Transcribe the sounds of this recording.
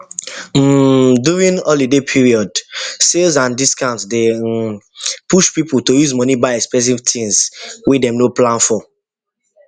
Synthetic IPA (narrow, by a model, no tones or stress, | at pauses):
m̩djuɹĩnɔlidepʰiɹiɔdselzãndiskãʊntsde | puʃpiputojuzmɔnibaɪɛkspɛs̬ivtʰĩnzwedɛ̃mnoplãnfɔ